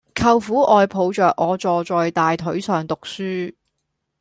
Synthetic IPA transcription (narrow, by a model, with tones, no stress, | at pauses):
kʰɐ˨wfuː˨˥ʔɔː˨jpʰo˨˧wt͡ʃœː˨k̚ŋɔː˨˧t͡sɔː˨t͡sɔː˨jt̪aː˨jt̪ʰɵ˨˥ɥsœː˨ŋt̪ʊ˨k̚syː˥